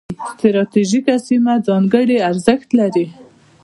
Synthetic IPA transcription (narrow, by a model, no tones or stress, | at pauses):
st̪ɾɑt̪iʒikasimad͡zɑŋɡəɽeaɾzəxt̪laɾi